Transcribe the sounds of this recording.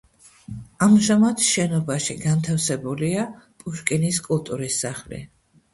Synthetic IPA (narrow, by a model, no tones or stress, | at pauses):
amʒamad̪ʃɛnɔbaʃiɡant̪ʰafsɛbuliapʼuʃkʼiniskʼulˠt̪ʼuɾisːaχlḭ